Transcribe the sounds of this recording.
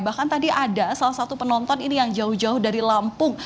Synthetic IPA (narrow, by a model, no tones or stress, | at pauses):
bahkant̪adiʔadasalahsat̪upənɔnt̪ɔninijaŋd͡ʒaʊhd͡ʒaʊhdaɾilampʊŋ